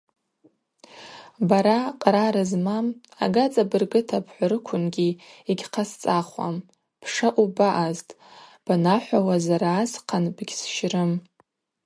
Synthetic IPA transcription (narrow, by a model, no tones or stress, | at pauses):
baɾaqʼɾaɾɨzmama̰ɡat͡sʼabɨrɡɨtʰapʰħʷaɾɨkʷʰʊnɡʲiiɡʲqʰast͡sʼaχʷa̰m | pʰʂaʔʷubaʔaztʼ | b̥anaħʷawazaɾaːsqʰanbɡʲsʃrɨm